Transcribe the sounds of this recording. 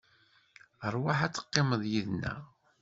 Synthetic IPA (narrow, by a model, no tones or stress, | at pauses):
əɾˤwaħæt͡sːə̥qːeməðˤjiðnæ̰